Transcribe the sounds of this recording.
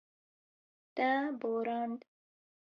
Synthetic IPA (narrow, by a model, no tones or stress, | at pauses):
t̪aboːɾɑːnd̪